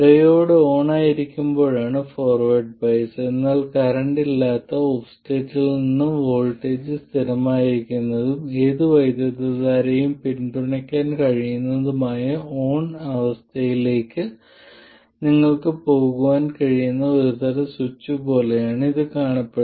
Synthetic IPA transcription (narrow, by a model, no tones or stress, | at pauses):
ɖɐjo̞ːɽeo̞ːɳaːjiɾikʲːumbo̞ːɻaːɳɨfo̞ːrʋɐrɖ̚pɐjse̞nːaːlkɐɾɐɳɖilːaːt̪ːɐoːfste̞ːtːilninːumʋo̞ːɭʈːe̞ːd͡ʑɨst̪ʰiɾɐmaːjiɾikʲːunːɐðume̞ːðɨʋɐjd̪jɐðɐðaːɾejumpinɖuɳɐkʲːaːnkɐɻijunːɐðumaːjɐo̞ːɳɐʋɐst̪ʰɐjile̞ːkːɨ | niŋːɐɭkɨpo̞ːɣuʋaːnkɐɻijunːɐo̞ɾut̪ɐɾɐsut͡ɕːupo̞ːle̞jaːɳɨiðɨkaːɳɐpːeɽ